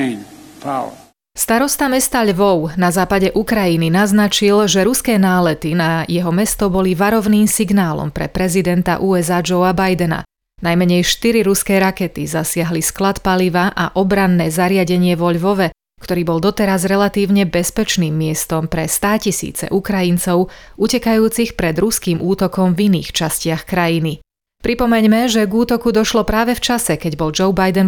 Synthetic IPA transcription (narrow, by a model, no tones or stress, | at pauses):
faʊ | st̪aɾɔst̪amɛst̪aʎʋɔʊnazaːpaɟɛʔukɾajininaznat͡ʃilʒɛɾuskɛːnaːlɛt̪inajɛɦɔmɛst̪ɔbɔliʋaɾɔʋniːmsiɡnaːlɔ̰mpɾɛ̰pɾɛzid̪ɛnt̪a̰ʔuːɛzaːd͡ʒɔʊabajd̪ɛna̰ | najmɛɲɛjʃt̪iɾiɾuskɛːɾakɛt̪izasɪaɦlisklat̪paliʋaʔaʔɔbɾanːɛːzaɾɪaɟɛɲɪɛʋɔʎʋɔʋɛ | kt̪ɔɾiːbɔlˠd̪ɔt̪ɛɾazɾɛlat̪iːʊɲɛbɛspɛt͡ʃniːmːɪɛst̪ɔmpɾɛst̪aːcisḭːt͡sɛ̰ʔukɾajint͡sɔʊʔucɛkajuːt͡sixpɾɛd̪ɾuskiːmʔuːt̪ɔkɔmvinḭːxt͡ʃascɪaxkɾajini | pɾipɔmɛɲmɛʒɛɡuːt̪ɔkud̪ɔʃlɔpɾaːʋɛft͡ʃasɛkɛɟbɔld͡ʒɔʊbajd̪ɛn